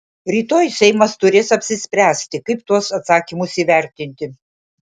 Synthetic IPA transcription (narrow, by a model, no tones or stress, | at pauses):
ɾʲiːt̪oːjsʲɛɪmɐst̪ʊɾʲeːsɐpʲsʲɪsʲpʲɾʲæːsʲt̪ʲɪkɐɪpt̪uɔsɐt̪sɑːkʲimʊsiːʋʲæˑɾʲt̪ʲɪnʲt̪ʲɪ